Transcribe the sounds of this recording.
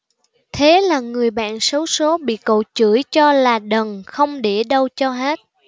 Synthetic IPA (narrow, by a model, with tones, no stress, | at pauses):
t̪ʰe˨˦laː˨˩ŋɨ˨˩əjɓa̰ː˧˨nsə˨˦wso˨˦ɓḭ˧˨kə̰˧˨wt͡ɕɨ˧˩əjt͡ɕɔ˧laː˨˩ɗə˨˩nxə˧wŋ͡mɗe˧˩ɗə˧wt͡ɕɔ˧ɦaː˦˥t̚